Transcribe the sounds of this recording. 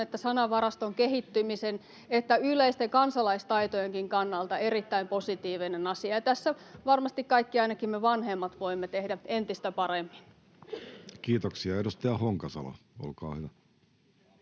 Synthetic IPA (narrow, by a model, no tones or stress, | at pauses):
et̪ːæsɑnɑʋɑrɑst̪oŋkeɦit̪ːymisen | et̪ːæyleist̪eŋkɑnsɑlɑist̪ɑit̪ojeŋkiŋkɑnːɑlt̪ɑerit̪ːæimpo̞sit̪iːʋinenɑsiɑjɑt̪æsːæ | ʋɑrmɑst̪ikkɑikːiɑinɑkimmeʋɑnɦemːɑt̪ʋoimːet̪ehdæent̪ist̪æpɑremːi̥n | kiːt̪oksiɑedust̪eɑhoŋkɑsɑ̰lɑ̰o̰lkɑ̰ːhyʋæ